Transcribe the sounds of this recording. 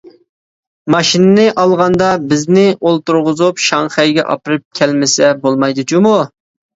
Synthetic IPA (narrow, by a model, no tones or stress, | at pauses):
mɑʃinɨnɪʔɑlˠʁɑnd̪ɑbɪznɪolˠt̪uɾʁʊzupʃɑŋχɛjɡʲɛ̰ʔɑ̰pɨɾɨp̚kʲʰɛlmɪsɛbolˠmɑjd̪ut͡ʃʰumu